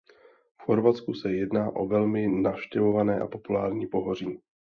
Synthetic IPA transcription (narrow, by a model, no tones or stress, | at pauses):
fxo̞ɾvat͡skusɛjɛdnaːʔo̞vɛlmɪnafʃcɛvo̞vanɛːʔa̰po̞pulaːɾɲiːpo̞ɦoriː